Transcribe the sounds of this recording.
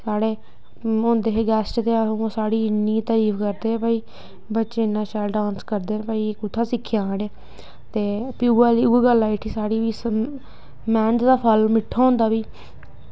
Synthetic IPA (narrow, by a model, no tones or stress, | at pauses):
saːɽeː | ɦʊ̃ːnd̪eːɦeːɡɛːsʈt̪eːãːõːsaːɽiːniːt̪əɾiːfʰkəɾd̪ẽːpəːiː | bətːʃeːɪnːãːʃaːlɖãːnskəɾd̪eːnpaːiːkʊt̪ʰːaːsɪkʰːjaːneː | t̪eːpiuaːliueːɡəlːaːɪʈʰiːsaːɽiːʋiːs | mɛːnd͡ʒd̪aːpʰəlmɪʈʰːaːʊ̃ːnd̪aːbiː